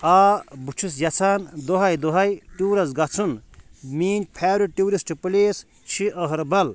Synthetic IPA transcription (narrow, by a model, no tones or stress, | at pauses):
aːbut͡ʃʰus̬jɐt͡sʰaːnd̪oɦɐjd̪oɦɐjʈuːɾɐsɡɐt͡sʰunmiːnd͡ʒpʰaːɾuʈuːɾisʈpɨleːs | t͡ʃʰiʔəɦɐɾbɐl